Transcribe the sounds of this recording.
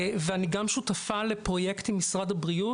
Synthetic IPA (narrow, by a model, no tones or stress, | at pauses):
veaniɡamʃut̪afalepʁo̞je̞kt̪imːisʁad̪abʁiu